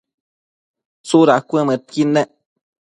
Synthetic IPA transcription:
suɾakʷəmət̪̚kineʔ

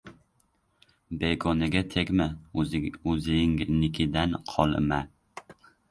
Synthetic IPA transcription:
beɡɒnɪɡʲat̪ʰekʲma | ɵzɪŋnɪkʲʰɪd̪anqʰɒlˠma

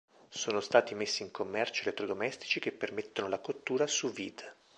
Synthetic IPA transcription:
soːnost̪aːt̪imesːiːŋkomːɛrt͡ʃoelet̪ːɾod̪omɛst̪i̥t͡ʃikepːermet̪ːonolakot̪ːuːɾasuvid̪

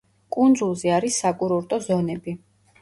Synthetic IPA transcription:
kʼund̪zulˠziaɾisːakʼuɾɔɾt̪ʼɔzɔnɛbi

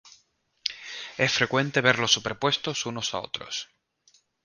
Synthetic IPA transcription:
e̞sfɾe̞kwe̞nt̪e̞β̞e̞ɾlo̞sːupe̞ɾpwe̞st̪o̞suno̞sa̰o̞̰t̪ɾo̞̰s

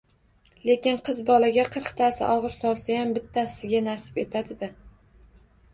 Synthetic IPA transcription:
le̞kʲɪnqʰɨzbɒlaɡʲaqʰɨɾqt̪ʰasɪ̰ʔɒʁɨɾsɒlˠsajambɪt̪ʰːasɪɡʲanasɪ̥be̞t̪ʰad̪ɪd̪ɪ

